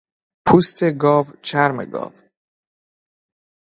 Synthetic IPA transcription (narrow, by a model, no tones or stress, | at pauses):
pʰuːst̪ʰeɡɒːvt͡ʃʰæɾmḛɡɒ̰ːv